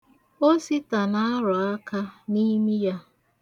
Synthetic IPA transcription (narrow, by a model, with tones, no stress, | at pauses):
o˦si˦ta˨na˦ɾɔ˨a˦ka˦ni˦mi˦ja˦